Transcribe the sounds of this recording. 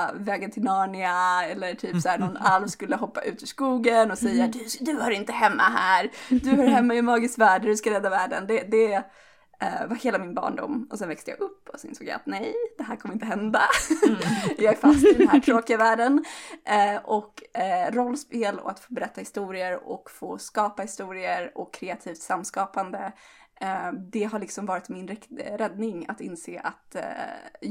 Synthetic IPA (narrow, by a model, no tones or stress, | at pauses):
vɛːɡənt̪ʰɪnɑːɳɪaɛlːəʈʰyːpsæːnɔnalvskɵlːəɦɔpːaʔʉ̟ːt̪ɪʂkuːɡənɔsɛjːad̪ɵd̪ɵhaɾɪnt̪əɦɛmːa̰ɦæːɾd̪ɵhɑɾɦɛmːaɪmɑːɡɪskvæːɖd̪ɵskaɾɛd̪ːavæːɖə̰nd̪ɛd̪ɛ | vaheːlamɪnbɑ̰ːɳɖʊ̰mːɔsɛnvɛkst̪əja̰ɡɵpːɔsɔɪnsoːɡja̰at̪nɛjd̪̥ɛɦæːɾkʰɔməɾɪnt̪əɦɛnd̪a | jɑːɡfasd̪ɛnhæʈʰɾoːkɪavæːɖən | ʔɔkɾɔlːspeːlɔ̰at̪foːbɛɾɛt̪ːahɪst̪uːɾɪəɾɔ̰kfoːskɑːpahɪst̪uːɾɪəɾɔkʰːɾeːat̪ʰiːft̪samːskɑːpand̪ə | d̪ɛɦaɭlɪksɔmvɑːɾɪt̪mɪnɾɪɾɛd̪nɪŋa̰t̪ɪnseːʔa̰t̪